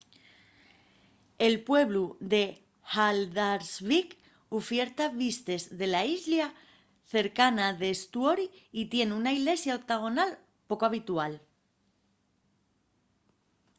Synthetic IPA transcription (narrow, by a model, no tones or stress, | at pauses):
e̞lpwe̞β̞luðe̞ | xald̪aɾzβik | ofje̞ɾt̪aβist̪e̞zðe̞laizlja | θe̞ɾkanaðe̞st̪uo̞ɾiit̪je̞nunaiɣle̞sjaok̚t̪aɣ̞o̞nal | po̞koaβ̞it̪ual